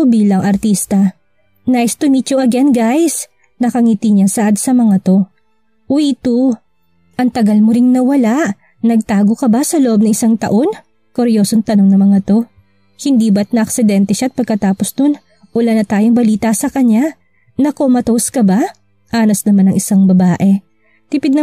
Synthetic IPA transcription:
biːlɐŋʔɐɾt̪ist̪ɐ | najst̪ʊmit͡ʃoʔɐɡɛnɡajs | nɐkɐŋit̪iɲasɐʔad̪sɐmɐŋat̪o̞ | ʔwit̪u | ʔɐŋt̪ɐɡɐlmoɾɪŋnɐwɐlaʔ | nɐɡ̚t̪aːɡo̞kɐbasɐloʔob̚nɐŋɪsaŋt̪ɐ̰ʔo̞n | koɾjo̞ːsoŋt̪ɐno̞ŋnɐmɐŋat̪o̞ | hɪnd̪iːbɐt̪̚nɐʔɐksɪd̪ɛnt̪ɛʃaɐt̪̚pɐɡ̚kɐt̪aːposd̪on | ʔʊlanɐt̪aːjoŋbɐliːt̪ɐsɐkɐɲːa | nɐko̞mɐt̪owskɐba | ʔaːnɐsnɐmanɐŋʔɪsaŋbɐbaːʔɛ | t̪ɪpɪd̪nɐ

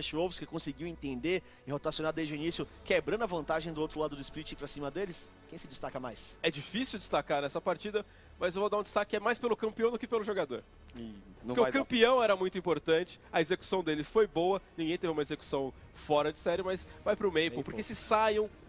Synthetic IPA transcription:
ʃiovʊskɪkõsɪɡiwẽnt̪ẽnd̪e | ɪhot̪asjonad̪ejzd͡ʒʊinisjʊkebɾɐ̃nd̪ʊɐvɐ̃nt̪aʒẽj̃d̪ʊowt̪ɾʊlad̪ʊd̪ʊispiɾit͡ʃĩpɾasĩmɐd̪elɪs | kẽj̃sɪd͡ʒɪst̪akɐmajsɛd͡ʒifisiwd͡ʒist̪akaɾnɛsɐpaɾt͡ʃid̪ɐ | mɐzewvod̪aɾũd͡ʒ̪ist̪akɪɛmajspelʊkɐ̃mpiɐ̃w̃d̪ʊkɪpelʊʒoɡad̪oɾ | oɾ̃keɪʊakɐ̃mpiɐ̃w̃ɛɾɐmũj̃t̪ʊĩpoɾt̪ɐ̃nt͡ʃɪ̥ɐezeku̥sɐ̃w̃d̪elɪfojbowɐnĩɡẽj̃t̪evɪũmɐezeku̥sɐ̃w̃ | fɔɾɐd͡ʒɪsɛɾɪmɐzvajpɾʊmejpopoɾkesɪsajɐ̃w̃

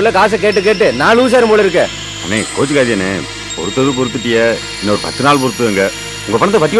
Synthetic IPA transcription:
ɯlːɐkaːsɐkeːʈ̬ːɯk̬eːʈ̬ːɯnãːluːs̬aːɾɯmboːɭɪɾɯkːẽː | ɐ̰neːkoːd͡ʒɯkaːðɪjɐneː | pɔ̰ɾɯt̪ːɐðɯp̬ɔɾɯt̪ːɯʈːɪjɐ | ɪnːɐɔɾɯpɐt̪ːɯnaːɭpɔɾɯt̪ːɯɛŋɡɐ | ʊŋɡɐpɐɳɐt̪ːɐpɐt̪̬ːɪ

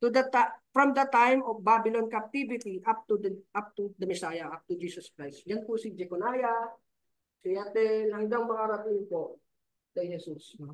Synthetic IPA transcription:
t̪ud̪ɐt̪afɹɔmd̪ɐt̪ajmofbabɪlonkɐp̚t̪ivɪt̪iʔap̚t̪ud̪ʔap̚t̪ud̪ɐmɪsaːjɐʔap̚t̪ud͡ʒiːsɐskɹajst̪̚janpʊsid͡ʒɛkonaːja | sɪjat̪ɛnhɐŋɡaŋmɐŋaɾɐt̪ɪnpoʔ | kɐjhɛsusno

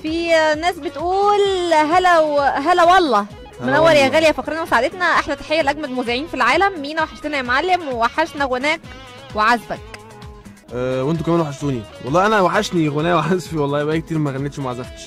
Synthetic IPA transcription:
finæːsbet̪ʔuːlɦælæwɦælæwɑlˤːɑː | menʔæwːæɾjæɣæːljæfɑqɾenæmsaʕad̪et̪næʔaħlæt̪ḁħejːælʔæɡmæd̪muːziʕiːnfilʕaːlæmːiːnæwaħeʃt̪enæjmʕalːemwewaħaʃnæɣonæːk | weʕazbæk | ʔæwent̪̬okæmæːnwaħeʃt̪uːniwɑlˤɑːʔænæwaħeʃniɣonæːweʕazfiwɑlˤːɑːjbʔæːk̚t̪iːɾmæɣænːet̪ʃmoʕazæft̪ʃ

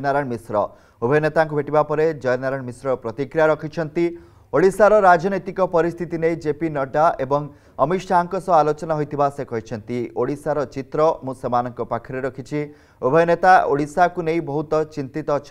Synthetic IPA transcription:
naɾãmisɾɔ̰ | obʱɔjɔnet̪aŋk̬ubʱeʈibapɔɾed͡ʒɔjɔnaɾaɳmisɾɔpɾɔt̪ikɾijaɾɔkʰit͡ʃʰɔnt̪i | oɽisaɾɔɾad͡ʒɔnojt̪ikɔpɔɾist̪ʰit̪inejd͡ʒepinɔɖaʔebɔŋ | ɔmiʃaŋkɔsɔalot͡ʃɔnaɦojt̪ʰibasekɔɦit͡ʃʰɔnt̪ioɽisaɾɔt͡ʃit̪ɾɔmũsemanɔŋkɔpakʰɔɾeɾɔkʰit͡ʃʰi | obʱɔjɔnet̪aoɽisakunejbɔɦut̪ɔt͡ʃint̪it̪ɔt͡ʃʰ

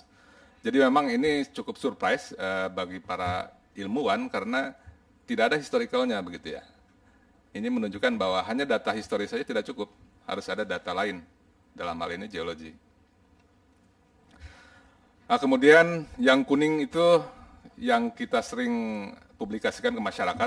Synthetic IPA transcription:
d͡ʒadimemaŋinit͡ʃukʊpsurpɾajsəbaɡipaɾa̰ | ilmuankaɾəna | t̪idakadahist̪oɾikauɲabəɡit̪uja̰ | inimənuɲd͡ʒukanbaɦwaɦaɲadat̪aɦist̪oɾisad͡ʒat̪idaʔ̚t͡ʃukʊp̚ha̰ɾʊsadadat̪alaɪn | dala̰mha̰linid͡ʒeoloɡḭ | akəmudianjaŋkunɪŋit̪u | jaŋkit̪asəɾɪŋ | publikasi̥kankəmaʃaɾakat̪̚

